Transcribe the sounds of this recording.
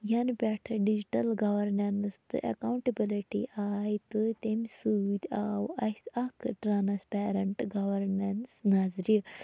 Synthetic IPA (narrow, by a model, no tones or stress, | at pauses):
jɐnbʲɛʈʰɐɖid͡ʒiʈɐlɡɐʋɐɾnɐnst̪ɨ̰ʔɐ̰kawɳʈɐbiliʈiʔaːjt̪ɨt̪emʲsuːd̪ʲaːwɐsʲɐkʰʈɾaːnɐspɛːɾɐɳʈɡɐʋɐɾnɐnsnaːzɾi